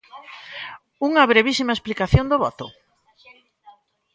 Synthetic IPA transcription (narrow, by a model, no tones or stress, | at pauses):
uŋɐβɾeβ̞isimɐesplikaθjond̪oβɔt̪ʊ